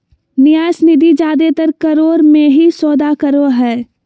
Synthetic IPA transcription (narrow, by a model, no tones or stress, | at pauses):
nɪjaːsnɪd̪ʱid͡ʒaːd̪et̪əɾkɐɾoːɾmẽɦisɔːd̪akəɾoɦɛː